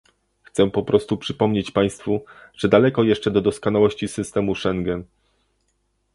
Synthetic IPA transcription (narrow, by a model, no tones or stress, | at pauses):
xt̪sɛpɔpɾʔɔst̪upʂɘpɔmɲet͡ɕpaj̃st̪fuʐ̥ɛd̪alɛkɔjɛʂt͡ʂɛd̪ɔd̪ɔskɔnawɔɕt͡ɕisɘst̪ɛmuʂɛŋɡɛn